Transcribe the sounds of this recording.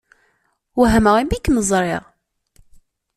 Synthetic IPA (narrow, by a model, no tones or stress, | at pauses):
wɦæməʁimbikməzˤɾˤɪʁ